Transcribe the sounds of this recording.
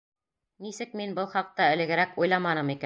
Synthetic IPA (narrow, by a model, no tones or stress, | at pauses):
nisɘk̚minbɤlˠχɑq̚t̪ɑɘ̆lɘ̆ɡɘ̆ɾækujlˠɑmɑnɤmikæ